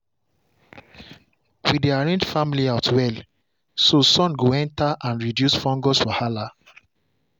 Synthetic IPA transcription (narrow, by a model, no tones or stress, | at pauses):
widiaɹẽnd͡ʒfamiliatwɛl | sosɔ̃nɡoɛ̃ntaʔãnɹidjusfɔ̃ŋɡɔsfɔhala